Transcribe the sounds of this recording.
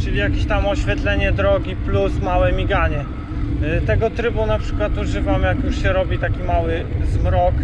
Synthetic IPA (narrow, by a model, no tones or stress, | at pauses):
t͡ʂɘlʲijakʲiɕt̪amɔɕfʲjɛt̪lɛɲɛd̪ɾɔɡʲiplusmawɛmʲiɡaɲɛ | t̪ɛɡɔt̪ɾɘbunapʂɘ̥kwat̪uʐɘvamjakjuʂɕɛɾɔbʲit̪akʲimawɘzmɾɔk